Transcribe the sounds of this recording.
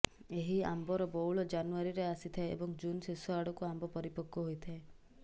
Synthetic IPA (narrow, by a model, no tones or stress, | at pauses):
eɦiambɔɾɔbowɭɔd͡ʒanuaɾiɾeasit̪ʰaeḛbɔŋd͡ʒunsesɔaɽɔkuambɔpɔɾipɔkːɔɦojt̪ʰae